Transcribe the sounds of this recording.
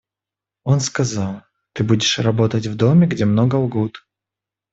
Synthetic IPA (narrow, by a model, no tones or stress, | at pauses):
o̞nskɐzɑlˠ | t̪ɨbudʲɪʂrɐbo̞t̪ətʲvd̪o̞mʲɪɡdʲemno̞ɡəʊɡut̪